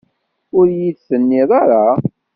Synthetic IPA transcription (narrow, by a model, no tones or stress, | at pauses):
ʊɾjiθsənːɪðˤɑɾˤɑ